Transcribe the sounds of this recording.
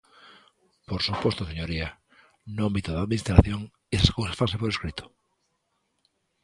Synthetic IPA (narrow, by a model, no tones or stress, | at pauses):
poɾsupost̪oseɲoɾia | nʊambit̪oðaðminist̪ɾaθjoŋ | esaskowsasfansepoɾeskɾit̪o̥